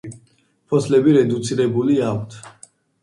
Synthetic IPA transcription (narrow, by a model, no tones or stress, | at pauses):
pʰɔslɛbiɾɛd̪ut̪sʰiɾɛbuliakʷʰt̪ʰ